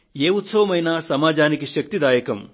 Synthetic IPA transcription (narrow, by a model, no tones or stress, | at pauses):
jeːut̪sɐʋɐmɐjnaːsɐmaːd͡ʒaːnikiʃɐk̚t̪id̪aːjɐkɐm